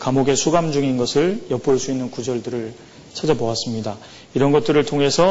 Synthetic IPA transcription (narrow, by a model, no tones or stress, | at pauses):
kamoɡe̞sʰuɡamd͡ʑuŋinɡʌsʰɯɭjʌp͈oɭs͈uinːɯnkud͡ʑʌɭdɯɾɯɭ | t͡ɕʰad͡ʑʌboas͈ɯmɲida | iɾʌnɡʌt̚t͈ɯɾɯɭtʰoŋɦe̞sʰʌ